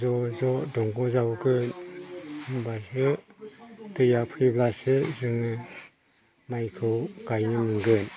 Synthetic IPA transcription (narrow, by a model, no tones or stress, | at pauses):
zɔzɔdɔŋɡuzawɡɯn | basɯ | tɯjapʰɯjblasɯzɯŋɯ | majkʰɯwɡajnɯmɯŋɡɯn